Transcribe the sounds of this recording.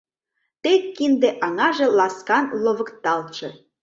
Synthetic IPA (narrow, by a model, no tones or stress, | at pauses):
t̪ekːind̪eʔɑŋɑʒĕlɑskɑnloβə̆kt̪ɑlt͡ɕĕ